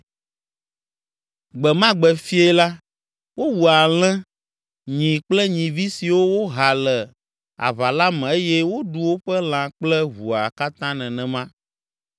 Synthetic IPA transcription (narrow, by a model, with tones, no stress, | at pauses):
ɡ͡bɛ˨mã˦ɡ͡bɛ˨fi˦e˦la˦ | wo˦wu˨a˨l̃ɛ̃˦ | ɲĩ˨k͡plɛ˦ɲĩ˨vi˦si˨wo˦wo˦ɦa˨lɛ˨ | a̰˨βa˨la˦mɛ̃˨e˦jɛ˦wo˦ɖu˨wo˦ɸɛ˦l̃ã˨k͡plɛ˦βu˨a˨ka˦t̪ã˦nɛ̃˨nɛ̃˨mã˦